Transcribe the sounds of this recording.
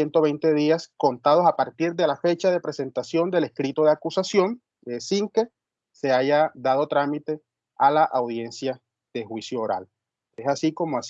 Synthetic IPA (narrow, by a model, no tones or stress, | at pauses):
jent̪o̞βe̞jnt̪e̞ðiasko̞nt̪að̞o̞sapaɾt̪iɾðe̞lafe̞t͡ʃaðe̞pɾe̞se̞nt̪asjo̞nd̪e̞le̞hkɾit̪o̞ðeakusasjo̞ŋ | esiŋke̞ | se̞aʝaðað̞o̞t̪ɾamit̪e̞ | alaʔawðje̞nsja | ð̥e̞xwisjoːɾa̰l | esasiko̞moas